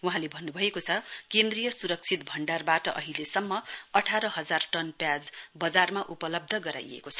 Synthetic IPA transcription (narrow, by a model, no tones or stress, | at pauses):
wuɦãlebʱʌnːubʱʌekot͡sʰʌkend̪rijʌsuɾʌk̚t͡sʰit̪̚bʱʌɳɖarbaʈʌʔʌ̰ɦilesʌmːʌʌʈʰaɾʌɦʌd͡zarʈʌnpjad͡zbʌd͡zarmaʔupʌlʌb̚d̪ʱʌɡʌɾa̰jḛkot͡sʰʌ̥